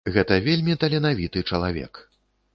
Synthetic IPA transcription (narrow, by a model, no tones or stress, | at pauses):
ɣɛt̪ɐvʲelʲmʲit̪ɐlʲɛnavʲit̪ɨt͡ʂɐlˠavʲɛ̰k